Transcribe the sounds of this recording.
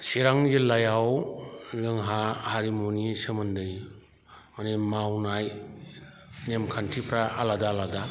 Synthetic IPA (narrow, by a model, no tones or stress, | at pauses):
seɾaŋjelajawlɯŋɦahaɾimonisɯmɯndɯj | manemawnaj | nemkʰantʰipʰɾaaladalada